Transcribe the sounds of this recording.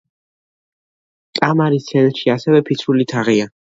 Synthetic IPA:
kʼamaɾit̪ʰɛnʃiasɛvɛpʰit̪sʰɾulit̪ʰaʁia

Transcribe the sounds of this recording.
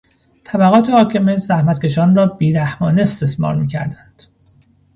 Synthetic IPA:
t̪ʰæbæɣɒːt̪ʰe̞hɒːcʰe̞mezæhmæt̪ce̞ʃɒːnrɒːb̥iːɾæhmɒːneːst̪esmɒ̰ːɾmiːcʰæ̰ɾd̪ænd̪̥

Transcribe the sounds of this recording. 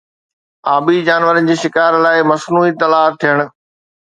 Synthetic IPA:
aːbid͡ʑaːnʋəɾənɪ̆d͡ʑiːʃɪkaːɾlaːɪmɐsnuːit̪ɐlaːt̪ʰijəɽ̃̆

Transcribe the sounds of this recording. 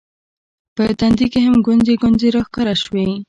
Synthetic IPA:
pət̪and̪ikeɦamɡʊnzeɡʊnzeɾɑxkaɾaʃwe

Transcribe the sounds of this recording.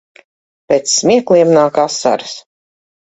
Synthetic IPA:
pʲeːt̪sːmiɛkliɛmnaːkasa̰ɾɨs

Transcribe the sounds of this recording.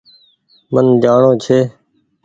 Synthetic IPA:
mənd͡ʒaːɳoːt͡ʃʰeː

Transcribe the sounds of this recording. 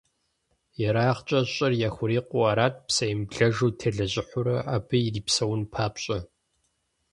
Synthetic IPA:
jɛɾaːχt͡ʃʼɐɕʼɐrjaxʷʊɾiːqʷʊaːɾaːt̚ʰʼpsɐjmbɮɐʒuːtʰɐɮɐʑʼɪħʷʊɾɐʔaːbʰɨiriːpsɐwnpʰaːpɕʼɐ

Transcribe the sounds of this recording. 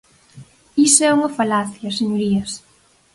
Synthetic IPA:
isoɛuŋɐfalaθjɐseɲoɾiɐs

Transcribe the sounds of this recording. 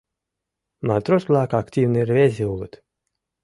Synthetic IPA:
mant̪ɾɔslˠaːkakt̪ʲiːvnɨiɾvʲezʲiwlɨt̪

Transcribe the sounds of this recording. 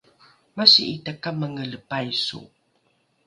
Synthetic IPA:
masiʔitakaməŋələpajsṵ

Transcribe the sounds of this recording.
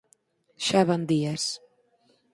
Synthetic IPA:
ʃævand̪iɛɾs

